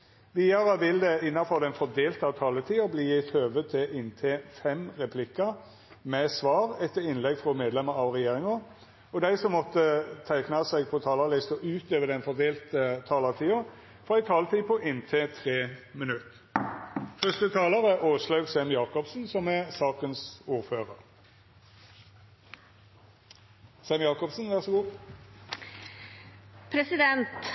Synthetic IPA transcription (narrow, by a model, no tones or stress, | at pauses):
ʋiːɑɾəʋɪld̪ɛɪnːɑfɔʁd̪ɛnfɔd̪eːlt̪ɑt̪ʰɑːlət̪ʰiːʊbliːɪt̪ʰøːʋət̪ʰɪlʔɪnt̪ʰeːfɛmʁɛpʰlɪkːɑ | mɛsʋɑːʁɛt̪ːəɾɪnlɛɡfʁɔmeːd̪lɛməɾɑʋʁɛjeːɾɪŋɔ | ɔd̪æɪsɔmːɔt̪ːət̪ʰæɪknɑsɛɡpʰɔt̪ʰɑːlɑlɪst̪ɔʉːt̪øːʋəd̪ɛnfɔd̪eːlt̪ət̪ʰɑːlɑt̪ʰiːʊ | fɔʁæɪt̪ʰɑːlt̪əiːpʰɔʔɪnt̪ʰeːt̪ʰʁeːmɪnʉt̪ː | fœst̪ət̪ʰɑːlɑʁəʔoːslɑʉɡsɛmjɑːkɔpsn̩sɔmɛsɑːkənsuːʁføːʁəʁ | sɑmjɑːkɔpsn̩ʋæʁsɔɡuː | pʰɾɛsɪd̪ɛnt̪